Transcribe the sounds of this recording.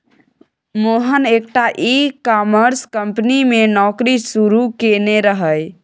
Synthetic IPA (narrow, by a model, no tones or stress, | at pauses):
moɦənek̚ʈaʔikɔməɾskəmpnimenɔkɾisuɾukeneɾəɦəj